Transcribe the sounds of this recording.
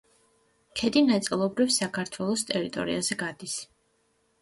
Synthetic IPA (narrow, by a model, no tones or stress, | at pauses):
kʰɛd̪inat̪sʼilˠɔbɾifsakʰaɾt̪ʰwɛlˠɔst̪ʼɛɾit̪ʼɔ̰ɾḭazɛɡad̪is